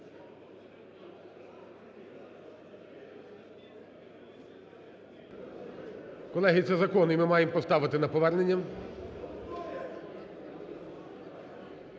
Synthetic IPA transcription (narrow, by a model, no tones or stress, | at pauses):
kɔlˠɛɦit̪ɛzɐkɔnimɪmɑjempɔst̪ɑʋɪt̪ɪnɐpɔʋɛrnenʲːɐ